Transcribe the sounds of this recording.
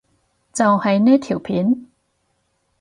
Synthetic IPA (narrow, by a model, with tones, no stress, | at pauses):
t͡sɐ˨whɐ˨jnɛː˥t̪ʰi˨˩wpʰiː˨˦n